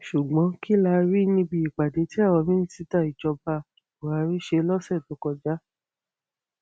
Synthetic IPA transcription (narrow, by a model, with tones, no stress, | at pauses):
ʃu˨ɡ͡bɔ̃˨˦ki˦la˧ɾi˦nĩ˧bi˧i˨ɡ͡ba˨de˨˦ti˦a˦˨wɔ̃˧mĩ˦ñ̩˦si˦ta˦˨i˨d͡ʒɔ˧ba˧˨o˨a˨˧ɾi˦ʃe˧˦lɔ˦sɛ˦˨du˨˦kɔ˧d͡ʒa˦